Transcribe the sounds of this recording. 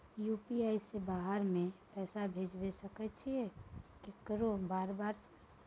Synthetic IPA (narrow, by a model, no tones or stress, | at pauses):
jupiaːisebaːɦəɾmẽpɛːsabʱed͡ʒbesəkɛt͡ʃʰiɛkikəɾobaːɾbaːɾs